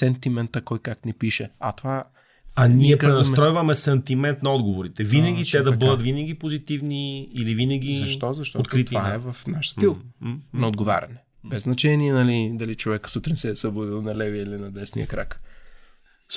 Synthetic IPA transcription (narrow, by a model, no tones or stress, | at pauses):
sɛnt̪imɛnt̪əkɔjkaknipiʃɛɐ̰t̪ova | ɐnniɛpaɾɛnɐsmɾɔjvɐmɛsɛnt̪imɛnt̪nɐɔd̪ɡovoɾit̪ɛvinɐɡʲit̪ɛd̪ɐbɤd̪ɐt̪vinɐɡʲipozit̪ivniːlivinɐɡʲizɐʃtt̪ɔzɐʃt̪ɔot̪kɾit̪vaɛvɐfnaʃsilˠnɐod̪ɡova̰ɾʲɐ̰nɛ | bɛznɐt͡ʃɛniɛnɐlid̪ɐlit͡ʃovɛkə̥sut̪ɾinsɛːsɐbud̪ilˠnɐlɛviilinɐd̪ɛsnḭɐ̰kɾak